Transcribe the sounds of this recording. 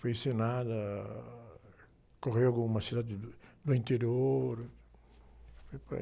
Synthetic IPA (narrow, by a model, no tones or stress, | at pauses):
fojsenad̪ɐ | koʁeaɡũumɐsid̪ad̪ɪd̪ʊẽnt̪eɾjoɾ | fojp